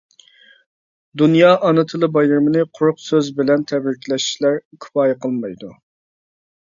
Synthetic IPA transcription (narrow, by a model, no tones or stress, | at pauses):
d̪unjɑːʔɑnɨt̪ʰɨlˠɨbɑjɨɾmɨnɨqʰʊɾʊqsøzbɪlɛnt̪ʰɛbɾɪkʲʰilɛʃi̥ʃlæɾkʲʰʊ̥pɑːjɛqʰəlˠmɑjd̪u